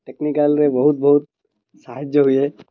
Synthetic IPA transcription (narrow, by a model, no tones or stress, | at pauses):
ʈeknikəlɾebɐɦʊt̪̚bɐɦʊt̪̚ | saɦəd͡ʒjəɦuiɦɛ